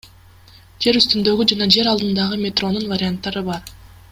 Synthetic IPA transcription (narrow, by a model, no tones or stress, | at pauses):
d͡ʒe̞ɾyst̪ynd̪ø̞ɡyd͡ʒɑnɑd͡ʒe̞ɾɑlˠd̪ɯnd̪ɑʁɯmʲe̞t̪ro̞nunvaɾʲɪant̪ːɑɾɯbɑɾ